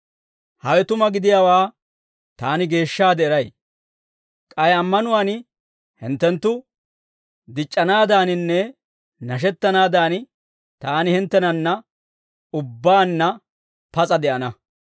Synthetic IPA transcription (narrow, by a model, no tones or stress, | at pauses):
hɐwɛt̪ʊmɐɡɪd̪ɪjaːwaː | t̪aːnɪɡe̞ːʃːaːd̪ɛɛɾɐj | kʼɐjɐmːɐnʊwaːn | hɪ̰nt̪ːɛnt̪ːʊ | d̪ɪt͡ʃʼːɐnaːd̪aːnɪnːɛ | nɐʃ̬ɛt̪ːɐnaːd̪aːn | t̪aːnɪhɪnt̪ːɛnɐnːɐ | ʊbːaːnːɐ | pɐt͡sʼɐd̪ɛʔɐnɐ